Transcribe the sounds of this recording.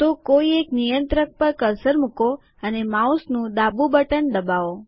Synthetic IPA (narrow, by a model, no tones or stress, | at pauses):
t̪okoieknijə̃nt̪ɾək̚pəɾkəɾsəɾmuko | ənemausnũd̪abubəʈənd̪əbao